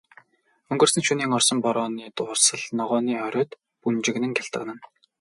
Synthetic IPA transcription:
ɵŋɡɵ̆rsɘ̆nʃuniːŋɔrsɞ̆mpɔɾɔːniːt̪ʊːrsə̆ɮnɔʁɔːniːœɾʲʊːt̪ | punt͡ɕɪ̆ɣnɘ̆ŋɡʲaɬt̪ə̆ʁnə̆n

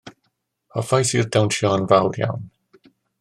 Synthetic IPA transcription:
ɔfajsirdawnʃɔnvawdja̰wn

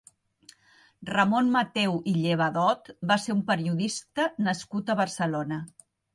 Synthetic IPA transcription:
rəmonmət̪ewʔiʎeβ̞əðɔt̪baseumpəɾiuðist̪ənəskut̪əβərsəlonə

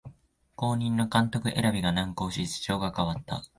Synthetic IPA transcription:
ko̞ːɲ̟ĩnːo̞kãnt̪o̞kɯ̟ʔe̞̰ɾabʲiɡanãŋko̞ːɕisɨ̥t͡ɕo̞ːɡakaβ̞at̪ːa̰

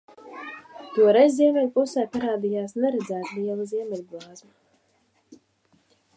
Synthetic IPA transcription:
t̪uɔɾezʲziɛmʲɛlʲpusɛːpaɾaːd̪ijaːsnɛɾɛd̪zæːt̪lʲiɛlˠaziɛmʲɛlʲɡlˠɑːzma

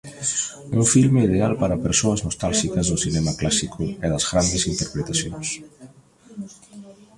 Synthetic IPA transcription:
uɱfilmeið̞ealpaɾɐpeɾsoɐznost̪alʃikɐzðʊsinemɐklasikʰʊɛðɐzɣɾand̪esint̪eɾpɾet̪asjõ̰ŋs

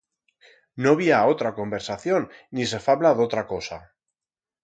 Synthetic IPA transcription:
noβiaot̪ɾako̞mbe̞ɾsaθjonːis̬e̞faβlaðot̪ɾakosa

